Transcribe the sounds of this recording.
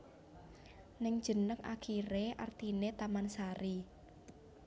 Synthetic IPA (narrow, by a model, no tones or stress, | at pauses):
nɪŋd̥ʒ̥ə̤nəka̰kʰiɾeʔa̰rt̪inet̪amansaɾi